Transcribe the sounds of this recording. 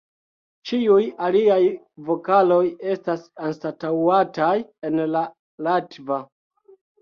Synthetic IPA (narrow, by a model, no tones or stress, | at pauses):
t͡ʃiujaliaj | vo̞kalo̞je̞stasanstatawataje̞nla | latva